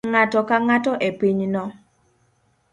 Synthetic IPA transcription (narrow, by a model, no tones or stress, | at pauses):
ŋatɔkaŋatɔʔepiɲnɔ